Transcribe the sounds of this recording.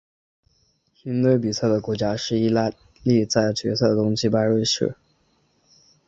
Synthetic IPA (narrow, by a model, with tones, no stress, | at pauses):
xi˧˥nt̪we˥ɪp̬i˨˩sʰɤ˥˩d̪ə˩kwɔ˧˥t͡ɕja˥ʂɻ̩˥˩i˥˩la˥˧ | li˥˧t͡sa˥˩ɪt͡ɕɥɛ˧˥sʰɤ˥˩də˨˩t̪ʊ˥ŋɕi˧˥pa˥ɪɻwe˥˧ɪʂɻ̩̰˥˩